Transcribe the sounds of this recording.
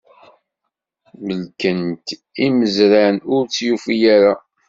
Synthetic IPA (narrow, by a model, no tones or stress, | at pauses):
məlkənt̪ | iməzɾanʊɾt͡sːjufijaɾa